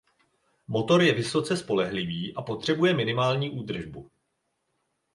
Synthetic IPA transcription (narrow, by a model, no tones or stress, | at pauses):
mo̞t̪o̞ɾjɛvɪso̞t͡sɛspo̞lɛɦlɪviːʔapo̞t̪r̝̥ɛbujɛmɪnɪmaːlɲiːʔuːd̪r̩ʒbu